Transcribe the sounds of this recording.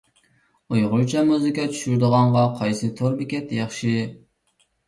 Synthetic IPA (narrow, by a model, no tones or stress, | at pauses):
ojʁʊɾt͡ʃʰɛmuzɨkɑt͡ʃʰy̥ʃyɾd̪əʁɑɴʁɑqʰɑjsɨt̪ʰoɾbɪkʲɛt̪jɑχʃi